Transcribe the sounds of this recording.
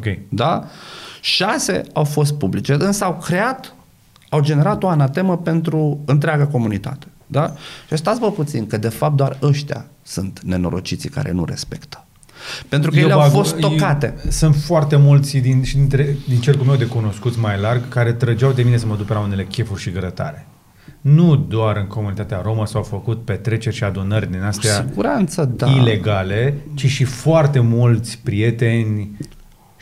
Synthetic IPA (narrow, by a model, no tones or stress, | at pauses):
okʲejd̪a | ʃase̞̰awfo̞s̬t̪̚publit͡ʃe̞ɨnsəawkɾe̞at̪ | awd͡ʒe̞ne̞ɾat̪o̞anat̪e̞məpe̞nt̪ɾuɨnt̪ɾeaɡako̞munit̪a̰t̪e̥d̪aʃiast̪at̪svəput̪sinkəd̪e̞fap̚t̪d̪oarəʃt̪ea̰ | sunt̪ne̞no̞̰ɾo̞̰t͡ʃit̪sika̰ɾe̞̰nṵɾe̞̰spe̞̰kt̪ə̥ | pe̞nt̪ɾukkəjeeafo̞st̪ːokat̪e̞̰sɨnt̪foart̪e̞mult̪sʲd̪inʃid̪int̪ɾed̪int͡ʃe̞lkulmewd̪e̞kuno̞skut̪smajlarɡkaɾe̞t̪ɾəd͡ʒawd̪e̞mine̞s̬əməd̪upeɾaune̞le̞kʲe̞furʲʃiɡəɾət̪a̰ɾe̞ | nud̪oaɾɨŋko̞munit̪at̪eaɾo̞məsawfəkut̪̚pe̞t̪ɾe̞t͡ʃe̞rʲʃiad̪unərʲd̪inast̪eaiɡuɾant̪səd̪aile̞ɡale̞t͡ʃiʃifoart̪e̞mult̪sʲpɾije̞t̪e̞nʲ